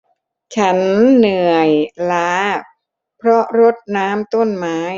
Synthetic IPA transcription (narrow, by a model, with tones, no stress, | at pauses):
t͡ɕʰa˦˥nːɯ˨˩əjlaː˦ | pʰɾɔ˦˥ɾo˦˥t̪̚naː˦˥mt̪o˥˩nmaː˦˥